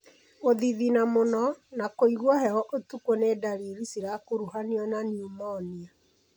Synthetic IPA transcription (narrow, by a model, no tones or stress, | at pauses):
oðiðinamonɔnakoiɣwɔhɛhɔʔotukonedaɾiɾisiɾakoɾuhaniɔnaniumɔnia